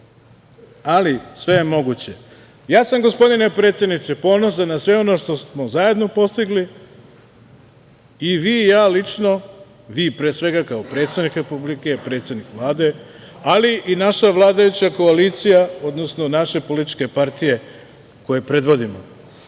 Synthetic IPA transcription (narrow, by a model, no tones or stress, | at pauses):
alisʋe̞je̞mo̞ɡut͡ɕe̞ | jaːsamɡo̞spo̞d̪ine̞pɾe̞ːt̪sje̞d̪nit̪sepo̞nos̬anasʋe̞o̞no̞ːʃt̪o̞smozaje̞d̪no̞po̞st̪iɡli | iʋiːjaːlit͡ʃno̞ | ʋiːpɾeːsʋe̞ɡakaopɾe̞ːt̪st̪ad̪nikɾe̞publike̞pɾet̪sje̞d̪nikʋlˠaːd̪e̞ | aliʔinaʃaʋlˠaːd̪ajut͡ɕako̞aliːt̪sijao̞d̪nosno̞naʃe̞po̞lit̪i̥t͡ʃke̞paɾt̪ije̞ | ko̞je̞pɾe̞d̪ʋo̞d̪imo̰